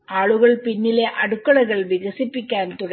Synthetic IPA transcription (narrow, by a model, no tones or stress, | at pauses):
ʔaːɭɯɣɐɭpɪnːɪleːʔɐɽɯkːɐɭɐɪɣɐɭʋɪɣɐsɪpːɪkːaːnt̪ʊɽɐ